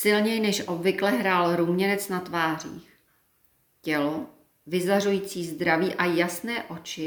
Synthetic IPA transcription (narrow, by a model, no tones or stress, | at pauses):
sɪlɲɛjnɛʃʔobvɪklɛɦɾaːlɾumɲɛnɛt͡snat̪vaːr̝ḭːx | cɛlo | vɪzarujiːt͡siːzd̪ɾaviːʔajasnɛːʔo̞t͡ʃɪ